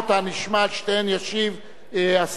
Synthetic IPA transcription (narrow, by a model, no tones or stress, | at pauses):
t̪amiʃmalʃt̪enjaʃiv | as